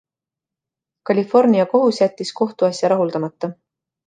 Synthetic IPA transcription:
kɑlʲifo̞rniɑko̞ɦusjæt̪ʲːisko̞ht̪uɑsjɑɾɑɦuld̪ɑmɑt̪ːɑ

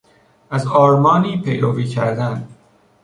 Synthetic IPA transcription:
ʔæzɒːɾmɒːniːpʰe̞jɾoviːcʰæɾd̪ænd̪

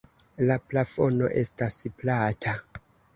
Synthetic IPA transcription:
laplafo̞no̞̰ʔe̞stasiplatʰa

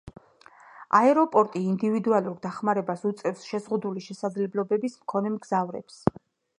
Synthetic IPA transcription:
a̰ɛɾɔpʼɔɾt̪ʼiːnd̪ivid̪ualˠuɾd̪aχmaɾɛbasut̪sʼɛfsʃɛzʁud̪uliʃɛsad̪zlɛblɔbɛbismkʰɔnɛmɡzavɾɛ̰ps

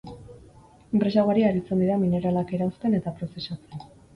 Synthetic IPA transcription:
empɾe̞saɣaɾiaɾit͡se̞nd̪iðamine̞ɾalake̞ɾaust̪e̞ne̞t̪apɾo̞se̞sat͡se̞n

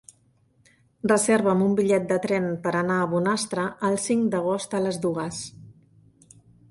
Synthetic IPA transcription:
rəzeɾβəmumbiʎɛt̪̚d̪ət̪ɾɛnpəɾənaəβunast̪ɾəʔəlˠsiŋd̪əɣ̞ost̪ələzd̪uɣ̞əs

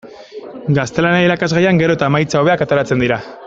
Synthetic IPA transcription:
ɡast̪e̞lanaiɾakazɣajaŋɡe̞ɾo̞et̪aemajt͡saoβe̞akat̪oɾat͡se̞nd̪iɾa

